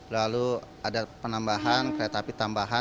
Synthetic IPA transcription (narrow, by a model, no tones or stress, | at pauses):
lalu | adapənambaɦankəɾaat̪apit̪ambaɦa